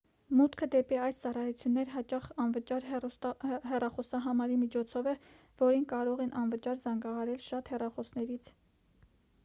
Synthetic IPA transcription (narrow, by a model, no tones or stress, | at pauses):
mut̪kʰəd̪ɛpiɑjst͡sɑrɑjut͡sʰjunːɛɾɦɑt͡ʃɑχɑnvət͡ʃɑɾ | hɛrɑχɔsɑɦɑmɑɾimit͡ʃʰɔt͡sʰɔvɛ | vɔɾinkɑɾɔʁɛnʔɑnvət͡ʃɑɾzɑŋɡɑɦɑɾɛlʃɑt̪hɛrɑχɔsnɛɾit͡sʰ